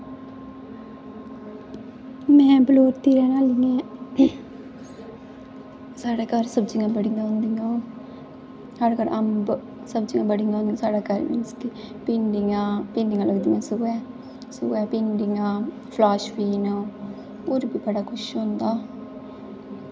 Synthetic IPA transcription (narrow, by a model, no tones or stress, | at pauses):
mɛ̃ːbloːɾt̪iːɾɛːnaːliŋɛ̃ː | saːɽeːkəɾsəbd͡ʒɪŋɡãːbəɽɪŋɡãːɦʊ̃nd̪iŋãː | həɽkəɾəmb | səbd͡ʒɪŋɡãːbəɽɪŋɡãõːnd̪ĩsaːɽaːkəɾnɪ̰nskipẽːɳɖɪŋãːpẽːɳɖɪŋɡãːləɡd̪iŋɡãːsʊːɛː | sʊːɛːpeːɳɖɪŋɡãː | pʰlaːʃpiːnoː | oːɾbiːbəɽaːkʰʊʃɦõːnd̪aː